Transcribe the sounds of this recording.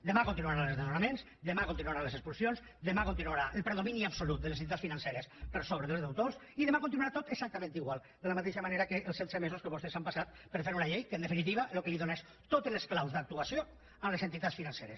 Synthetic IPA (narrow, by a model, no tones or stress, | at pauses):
d̪əmakont̪inuaɾanlezðenonamẽnz | d̪əmakont̪inuaɾalesəkspulsjonz | d̪əmakont̪inuaɾaʔəlˠpɾeðominiapsolut̪̚d̪əlesenit̪asfinanseɾespəɾsoβəðelˠzðawt̪os | iðəmakõnt̪inuaɾat̪ot̪eksak̚t̪əmẽnt̪iɣwalˠ | d̪ələmat̪eʃəmaneɾakəʔəlˠsɛt̪semesoskəβost̪esampasat̪̚ | pəɾfeɾunaʎejkənd̪əfinit̪iβalokəliðoneʃ | t̪ot̪eələsklawzðd̪ək̚t̪uasio | əmlezent̪it̪at̪sfinãnseɾḛs